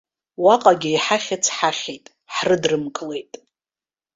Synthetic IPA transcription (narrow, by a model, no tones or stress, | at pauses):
waqʼaɡʲɪiħaχʲɪt͡sʰħaχʲejtʼ | ħrɨdrɨmkʼle̞jtʼ